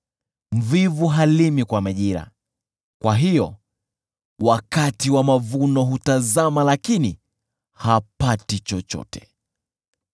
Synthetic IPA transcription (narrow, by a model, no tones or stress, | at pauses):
m̩vivuɦalimikwamaʄiɾa̰ | kwaɦijɔ | wakatiwamavunɔɦutazamalakini | hapatit͡ʃɔt͡ʃɔ̰tɛ̥